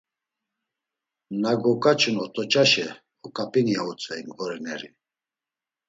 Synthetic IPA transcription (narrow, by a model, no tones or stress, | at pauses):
naɡɔkʼat͡ʃʼunɔt̪ʼɔt͡ʃʼaʃɛ | ɔkʼapʼiniaut͡sʼɛiŋɡvɔɾɛnɛɾi